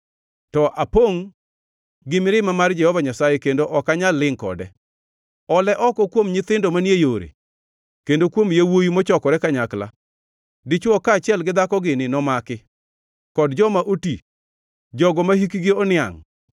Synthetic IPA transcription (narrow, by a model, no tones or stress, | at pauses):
tɔʔapoŋ | ɡɪmɪɾɪmamard͡ʒɛhɔvaɲasajɛkendoʔɔkaɲalːɪŋkɔ̰dɛ | ɔlɛʔɔkɔkwomɲɪt̪ɪndomanjejoɾḛ | kendokwomjawojimɔt͡ʃɔkɔɾɛkaɲakla̰ | dit͡ʃwɔkaːt͡ʃɪɛlɡɪd̪akɔɡɪnɪnɔmakɪ | kɔdd͡ʒɔmaʔoti | d͡ʒɔɡɔmaɦikiɡɪɔnɪa̰ŋ